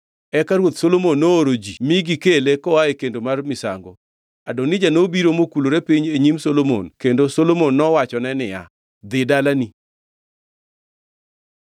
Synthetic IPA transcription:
ɛkaɾwot̪solomonːoːɾod͡ʒimiɡikelekɔaekendomarmɪsa̰ŋɡo | adonid͡ʒanobiɾomokuloɾepiɲeɲimsolomo̰nkendosolomonːɔwat͡ʃɔnɛnɪja̰ | d̪ɪdalani

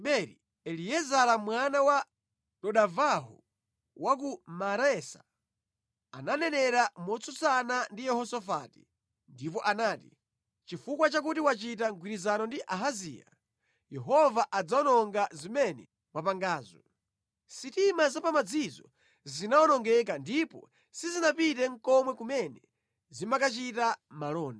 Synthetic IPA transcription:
ɓɛɾḭ | ɛliɛzalamwanawa | tɔɗavaɦṵ | wak̬umaɾɛsḁ | a̰nanɛnɛɾamɔt͡sʰusanandijɛhɔsɔfati̥ | ndip̬ɔʔanaːti | t͡ʃifukwat͡ʃak̬utiwat͡ʃit̬aŋɡwiɾizanɔndiʔaɦazḭːja̰ | jɛɦɔvaʔad͡zaɔnɔŋɡazimɛnɛ | wapaŋɡaːzɔ | sitimazapamad͡zizɔ | zinaɔnɔŋɡɛk̬andipɔ̰ | sizinapit̬ɛŋ̩kɔmwɛkumɛnɛ | zimakat͡ʃitamalɔːnda

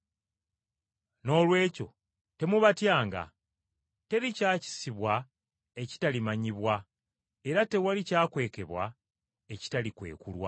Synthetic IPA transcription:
no̞ːlwe̞ːco̞̰ | te̞muβatjaːŋɡa̰ | te̞ɾicaːci̥siβwa | e̞ci̥talimaɲiβwa | e̞ɾate̞walicaːkwe̞ːke̞βwa | e̞ci̥talikwe̞̰ːkulwa̰

